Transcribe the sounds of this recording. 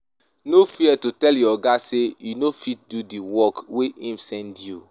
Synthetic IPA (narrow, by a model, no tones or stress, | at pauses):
nofiɛtutɛljɔɡasejunofit̚dudiwɔkweʔĩmsɛ̃ndju